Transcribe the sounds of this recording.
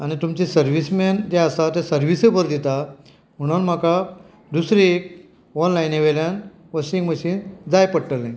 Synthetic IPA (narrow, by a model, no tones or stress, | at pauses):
añit̪umt͡ɕisəɾʋismend͡ʑeasat̪ẽsəɾʋisəbəɾd̪it̪a | m̤əɽ̃unm̤aka | d̪usɾiek | ɔnlajneʋeljan | ʋəɕiŋɡməɕiːnd͡zajpəɽʈəlːẽ